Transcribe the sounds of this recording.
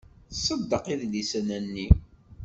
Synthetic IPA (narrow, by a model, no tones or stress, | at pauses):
θsˤəd̪ːəqiðlisənænːi